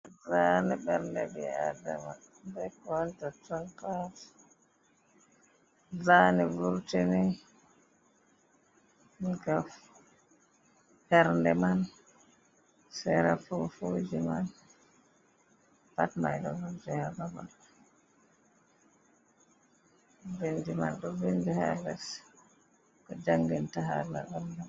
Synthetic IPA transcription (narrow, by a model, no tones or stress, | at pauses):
zanɛɓɛɾndɛbia̰da̰ma̰n | dɛkɔntatɔnkas | zaːnɛvuɾtɛni | ɡaf | ɓɛɾndɛman | sɛɾafɔfod͡ʒiman | patma̰jɗɔvuɾtɛhalama̰n | vindima̰nɗɔvindiha̰las | kɔd͡ʒaŋɡintaɦala̰ʔanda